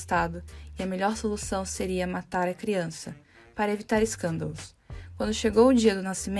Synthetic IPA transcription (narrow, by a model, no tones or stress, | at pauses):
st̪ad̪ʊɪɐmeʎɔɾsolusɐ̃w̃seɾiɐmat̪aɾɐkɾiɐ̃sɐ | paɾɐevit̪aɾeskɐ̃nd̪ɐlʊs | kwɐ̃nd̪ʊʃeɡowʊd͡ʒiɐd̪ʊnasimẽ